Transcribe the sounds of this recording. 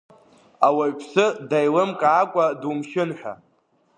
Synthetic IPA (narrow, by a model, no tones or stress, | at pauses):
awaɥpʰsɨdajlɨmkʼaːkʷʼadumʃɪnħʷᶣa̰